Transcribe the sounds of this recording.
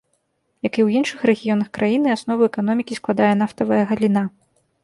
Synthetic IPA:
jɐkiwjinʂɨxrɛɣʲijɔnɐxkɾʔajinɨasnɔvɐɛkan̪ɔmʲikʲisklˠad̪ajɛn̪aft̪ɐvɐjɐɣɐlʲina

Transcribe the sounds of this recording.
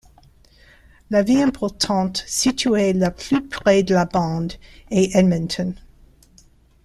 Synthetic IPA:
laviɛ̃pʰɔʁt̪ʰɑ̃t̪sit̪ʰyelapʰlypχɛd̪əlabɑ̃d̪eʔɛdmə̃nt̪ʰɔn

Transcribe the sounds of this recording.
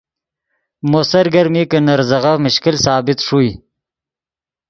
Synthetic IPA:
mosɐɾɡɐɾmikənaɾzaɣamʊʃkɪlsɑːbɪt̪ʂuj

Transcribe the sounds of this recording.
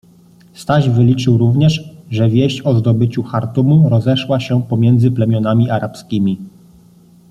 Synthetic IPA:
st̪aʑvɘlʲit͡ʂɘwɾuvɲɛʂʐɛvʲjeɕt͡ɕɔzd̪ɔbɘt͡ɕuxaɾt̪umuɾɔzɛʂwaɕɛpɔmʲjɛnd̪zɘplɛmʲjɔnamʲiʔaɾapskʲimʲi

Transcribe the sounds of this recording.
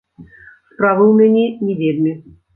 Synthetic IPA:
spɾavɨwmʲanʲɛnʲɛvʲed̪nʲɨ

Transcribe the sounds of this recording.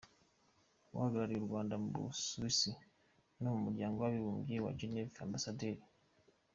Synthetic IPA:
wa̰haɡaɾaɾijuɾɡwaːndamubṵsuisi | nomumuɾɟaːŋɡowaβiβuːmɡiwa̰d͡ʒinea̰ːmbasadeɾi

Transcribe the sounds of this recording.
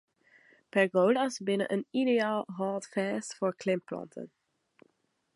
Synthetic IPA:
pɛɹɡowdɑsbɪnə̰ʔənideaːlˠɦɑːtfɛːstfoːɹklɪmplɑ̰ntʰə̰n

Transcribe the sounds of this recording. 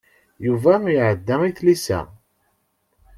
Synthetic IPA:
juvæjʕəd̪ːæmiθlisæ̰

